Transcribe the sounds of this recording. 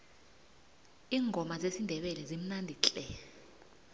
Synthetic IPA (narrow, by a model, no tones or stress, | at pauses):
iːŋʱɔmazesindʱɛɓɛlɛzim̩nandʱit͡ɬʼɛ